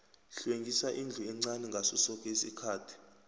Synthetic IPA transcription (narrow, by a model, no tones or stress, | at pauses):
ɬweŋɡʱisaʔind͡ɮʱuɛŋ͡ǀanɛŋɡʱasusɔk̬ʼesikʰaːtʰi̥